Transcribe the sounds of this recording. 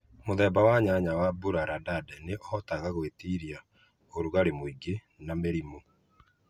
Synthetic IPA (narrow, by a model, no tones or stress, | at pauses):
moðɛːbawaɲaɲawabuɾaɾadadɛneʔɔtaɣaɣwetiɾja | oɾuɣaɾemoiɡe | nameɾimo